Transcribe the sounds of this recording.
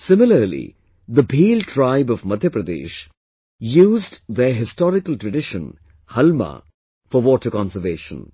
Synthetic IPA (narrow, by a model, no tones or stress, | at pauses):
sɪmɪləɾlḭ | d̪əbʱiːlʈʰɾaɪbɔʋmʌd̪ʱjəpɾəd̪ḛːʃ | juːzdd̪əɦɪstɔːɾɪkəlʈɾəɖɪʃə̃n | hɐlma̰ | fɔʋɔːʈəkɔ̃nsəʋeːʃə̰̃n